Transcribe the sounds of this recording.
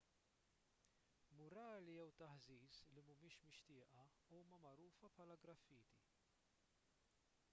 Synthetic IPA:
mʊɾɐːlijɛwt̪ɐħziːslimʊmɪːʃmɪʃt̪ɪːʔɐ | uːmɐmɐɾuːfɐpħɐːlɐɡɾɐfːiːt̪i

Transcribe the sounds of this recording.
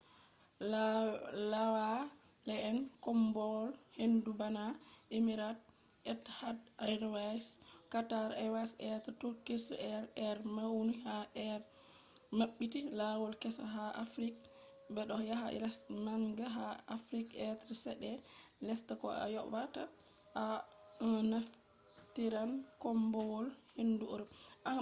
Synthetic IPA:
lawa | lɛɛnkɔmbɔlhendubanaʔemiɾat̚ | ʔɛthadajɾwajskataɾawasɛttukisɛɾɛɾmawnihaʔɛɾ | maɓːitilawɔlkɛsaɦaʔafɾik̚ | bɛɗɔjaɦaʔɛ̰lɛsmaŋɡaɦaafɾikɛtɾsɛɗɛlɛstakɔ̰a̰jɔata | ʔa | naf | tiɾankɔmbɔwɔlhenduoɾuʔa

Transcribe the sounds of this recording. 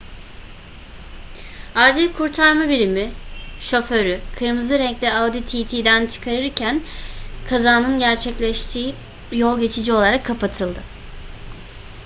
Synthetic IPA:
ad͡ʒilʲkʰuɾt̪ʰaɾmabiɾimiʃo̞føɾykʰɯɾmɯzɯɾɛɲclʲɛawd̪it̪ʰit̪ʰiːd̪ænt͡ʃʰɯ̥kʰaɾɯɾcʰænkʰazaːnɯnɟæɾt͡ʃʰɛclʲɛʃt̪ʰiː | jo̞lˠɟe̞t͡ʃʰid͡ʒio̞lˠaɾakʰːapʰat̪ʰɯlˠd̪ɯ

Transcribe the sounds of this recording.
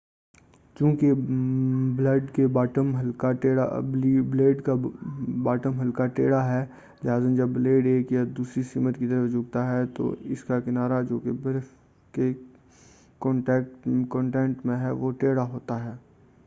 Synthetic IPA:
t͡ʃũːke | bləɖkebaːʈəmɦɐlkaʈeːɽa̰bbleːɖkabaːʈəmɦɐlkaʈeːɽaɦɛː | d͡ʒɦaːzənd͡ʒɐbleːɖeːkjad̪uːsɾisiːmət̪kit̪əɾəfd͡ʒʊːɡ̚t̪aɦɛt̪o̰ɪ̰skakɪnaːɾad͡ʒoːkebɪɾ | ke | kɔ̃ːɳʈɛːkkɔ̃ːɳʈɛ̃ːɳʈmẽɦɛʋoʈeːɽaɦoːt̪aɦɛː

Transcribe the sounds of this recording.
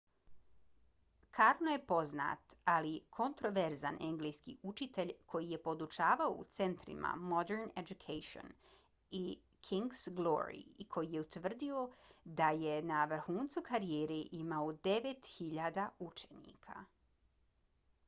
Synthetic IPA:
kʰaːɾnoje̞po̞zna̰ːt̪alikʰo̞nt̪ɾo̞ʋe̞ɾza̰nʔe̞ŋɡlejskḭut͡ʃit̪e̞ʎʲkʰo̞jije̞po̞d̪ut͡ʃaːʋaoṵt̪se̞nt̪ɾḭma̰mo̞d̪eɾned͡ʒukʰejʃio̰n | i | kʰiŋɡz̥ɡlo̰ɾḭkʰo̞jije̞ut̪ʋr̩d̪io̞d̪ajenaʋr̩xuːnt̪sukaɾieːɾeʔimaod̪e̞ʋe̞t̪xiʎaːd̪aut͡ʃe̥nḭːkʰa̰

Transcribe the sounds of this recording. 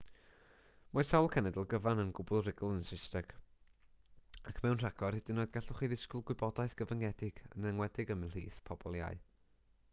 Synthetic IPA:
mɔɨsawlˠkʰɛnɛdəlˠɡəvanənɡʊbʊlˠrɪɡəlˠənsɪstɛɡ̥ | akʰmɛwnr̥aɡ̥ɔrhɪdɪnːoːɨdɡaɬʊχiðɪskʊlˠɡwɪbɔdaɨθɡ̥əvəŋɛdɪɡ̥ənɛŋwɛdɪɡəmɪnl̥ḭːθpʰɔbɔlˠja̰ɨ

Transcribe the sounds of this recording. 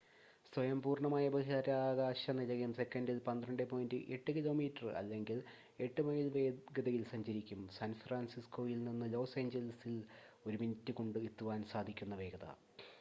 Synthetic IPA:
sʋɐjɐmpuːrɳɐmaːjɐbɐɣiðɐɾaːɡaːɕɐnilɐɣumse̞kːɐndilpɐnd̪rɾɐɳɖɨpo̞ːjindɨʔe̞ʈːɨkilo̞ːmiːtːɐrɐ̰lːe̞ŋɡil | e̞ʈːɨmɐjilʋeːɡɐðɐjilsɐɲd͡ʑɐɾikʲːumsaːnfraːnsisko̞ːjilninːɨlo̞ːseːɲd͡ʑɐlɐsilo̞ɾuminɐtːɨko̞ɳɖɨit̪ːuʋaːnsaːd̪ʱikʲːun̪ːɐʋe̞ːɡɐðɐ̰

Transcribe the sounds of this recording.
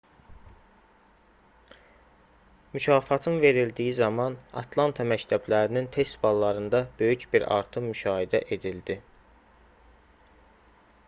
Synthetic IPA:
mycʰɑːfɑt̪ʰɯnve̞ɾild̪ijizɑmɑnɑ̰t̪ʰlˠɑnt̪ʰɑmæct̪ʰæblæɾinint̪ʰe̞st̪bɑlˠːɑɾɯnd̪ɑbø̞jycbiɾɑ̰ɾt̪ʰɯmmyʃɑːhid̪æ̰ʔe̞d̪ild̪i

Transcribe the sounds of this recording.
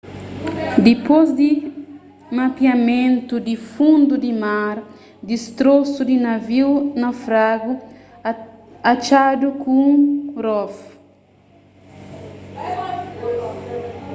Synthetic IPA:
d̪ipozd̪i | mapiamẽnt̪ud̪ifũnd̪ud̪imaɾ | d̪ist̪ɾosud̪inaviwnɐfɾaɡu | at͡ʃad̪ukũɾɔf

